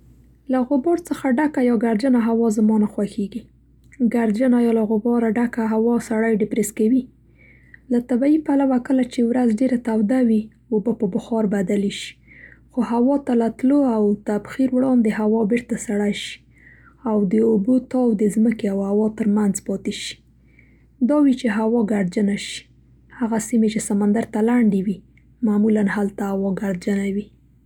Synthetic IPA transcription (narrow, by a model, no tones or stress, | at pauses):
laɣʊbɑɾt͡səxaɖakajɑɡaɾd͡ʒanaɦawɑzamɑnaxwaxeɡi | ɡaɾd͡ʒanajɑlaɣʊbɑɾaɖakaɦawɑsaɽajɖɪpɾeskawi | lat̪abaipalawakəlat͡ʃewɾazɖeɾat̪awd̪awi | ʊbəpəbʊxɑɾbad̪aliʃi̥xoɦawɑt̪alat̪loawt̪abxiɾwɽɑnd̪əɦawɑbɪɾt̪asaɽaʃi̥ | awd̪əʊbot̪ɑwd̪əzməkeawhawɑt̪əɾmanzpɑt̪eʃi̥ | d̪ɑwit͡ʃeɦawɑɡaɽd͡ʒanaʃi̥ | haɣasimet͡ʃesamand̪aɾt̪alaɳɖewi | mamulanhalt̪aawɑɡaɽd͡ʒanawi